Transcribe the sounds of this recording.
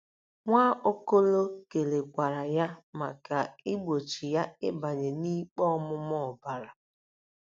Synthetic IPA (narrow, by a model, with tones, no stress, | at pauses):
ŋʷaː˦ʔo˦ko˦lo˦ke˨le˨ɡʷa˨ɾa˨ja˦ma˨ka˨ɪ˦ɡ͡bo˨t͡ʃi˨ja˦ɪ˦ba˨ɲe˨ni˦k͡pɔ˦mʊ˦mɔ˦˨ba˦ɾa˨